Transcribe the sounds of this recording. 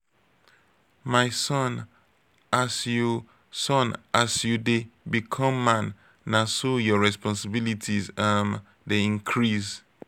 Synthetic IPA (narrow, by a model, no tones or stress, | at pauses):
maɪsɔn | asju | sɔ̃nʔasjudebikʰɔ̃mːãnː | asojɔɹɛspɔ̃nsɪbilitʰizãm | deĩŋkʰɹiz